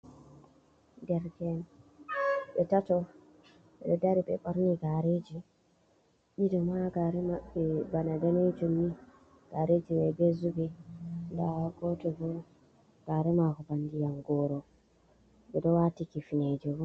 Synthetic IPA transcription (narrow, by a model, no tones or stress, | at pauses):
dɛɾkɛn | ɓɛtatɔ | ɓɛɗɔdaɾiɓɛ̰ɓɔɾniɡaɾed͡ʒi | ʔidɔmaɡaɾɛmaɛbanadaned͡ʒomːi | ɡ̥aɾed͡ʒiwɛdezubɛndawaɡɔtɔɡɔ | ɡ̥aɾɛmakɔbandijaŋɡɔːɾɔ | ɓɛɗɔwatikifined͡ʒɔbɔ